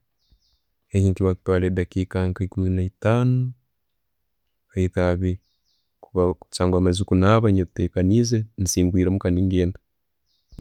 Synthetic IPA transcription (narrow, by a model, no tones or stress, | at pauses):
heɲiŋkiβaku̥twaledakikaŋkaikuinaitaːno | aitaβi | kuβaut͡ʃaːŋɡwamazikunaβaɲeutekanizenisiːŋbwiːɾemukaniŋɡeːndḁ